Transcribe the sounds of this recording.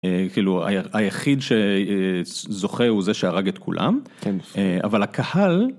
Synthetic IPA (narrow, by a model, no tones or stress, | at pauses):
ekiːlua̰jajaχid̪ʃe | zo̞χeuzeʃeaʁaɡet̪kʰṵlʔa̰mkea̰valhakʰahal